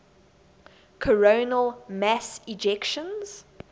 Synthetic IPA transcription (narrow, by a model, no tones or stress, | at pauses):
kʰəɹoʊnəlˠmæsɪd͡ʒɛkʃə̃nz̥